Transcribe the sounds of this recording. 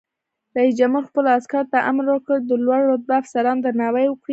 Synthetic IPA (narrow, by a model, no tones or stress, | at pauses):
ɾaisd͡ʒamuɾxpəlaskaɾt̪aʔa̰mɾwəkəd̪əlwaɽːot̪̚baːfsaɾɑnd̪əɾnɑwajwəkɽi